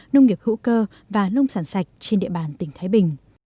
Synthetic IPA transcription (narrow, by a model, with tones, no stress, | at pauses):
nə˧wŋ͡mŋi˨˩əp̚hṵ˧˥kəː˧ | vaː˨˩nə˧wŋ͡msaː˧˩nsa˨˩jk̟̚t͡ɕe˧nɗḭ˧˨ɓaː˨˩nt̪ï˧˩ŋ̟t̪ʰaː˨˦jɓï˨˩ŋ̟